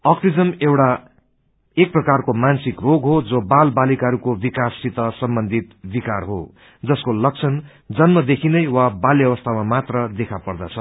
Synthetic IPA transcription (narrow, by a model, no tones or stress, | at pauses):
ʌksid͡zʌmewʈa | ek̚prʌkarkomansikroɡɦod͡zobalbalikɦʌɾukobikasit̪ʌsʌmbʌnd̪ʱit̪bikarɦo̰ | d͡zʌskolʌk̚t͡sʰʌn | d͡zʌnmʌd̪ekʰinʌjwabaljʌβʌst̪ʰamamat̪rʌd̪ekʰapʌrd̪at͡sʰʌ